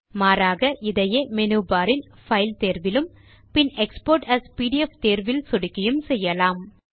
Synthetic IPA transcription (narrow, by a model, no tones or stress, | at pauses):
maːɾaːɣɐʔɪðɐjeːmɛnuːbaːɾɪn | fɐɪlt̪eːɾʋɪlɯm | pɪnɛkspoːɾʈɐspiːɖɪɛft̪eːɾʋɪlsʊɽɪkːɪjɯmsɛjːɐlaːm